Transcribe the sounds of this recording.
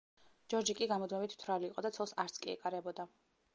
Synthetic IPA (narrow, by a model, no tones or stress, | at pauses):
d͡ʒɔɾd͡ʒikʼiɡamɔd̪mɛbit̪ʰt̪ʰwɾaliːqʼɔd̪at̪sʰɔlˠsaɾt̪sʰkʼiɛ̰kʼaɾɛbɔd̪a